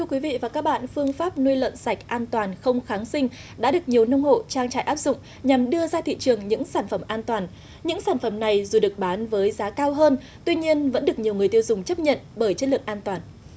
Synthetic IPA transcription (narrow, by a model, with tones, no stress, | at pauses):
t̪ʰɨ˧əkwi˨˦vḭ˧˨vaː˨˩kaː˦˥k̚ɓa̰ː˧˨nfɨ˧əŋfaː˦˥p̚nu˧jlwə̰˧˨nsa˨˩jk̟̚ʔaː˧nt̪waː˨˩nxə˧wŋ͡mxaː˨˦ŋsï˧ŋ̟ | ɗa̰ː˧˥ɗɨ˨˩ək̚ɲi˨˩əwnə˧wŋ͡mho̰˧˨t͡ɕaː˧ŋt͡ɕa̰ː˧˨jʔaː˦˥p̚z̥ʊ̰˧˨ŋ͡m̚ | ɲa˨˩mɗɨ˧əzaː˧t̪ʰḭ˧˨t͡ɕɨ˨˩əŋɲɨ̰˧˥ŋsaː˧˩nfə˧˩mʔaː˧nt̪waː˨˩n | ɲɨ̰˧˥ŋsaː˧˩nfə˧˩mna˨˩jzu˨˩ɗɨ˨˩ək̚ɓaː˨˦nvəː˨˦jzaː˨˦kaː˧wɦəː˧n | t̪wi˧ɲi˧ənvə̰˧˥nɗɨ˨˩ək̚ɲi˨˩əwŋɨ˨˩əjt̪ːwzʊ˨˩ŋ͡mt͡ɕə˦˥p̚ɲə̰˧˨nɓəː˧˩jt͡ɕə˦˥tlɨ˨˩əŋʔaː˧nt̪waː˨˩n